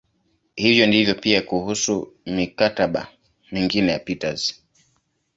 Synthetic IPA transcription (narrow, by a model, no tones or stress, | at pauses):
hivjɔndivjɔpiakuhusumikataɓa̰ | miŋɡinɛja̰pitaz̥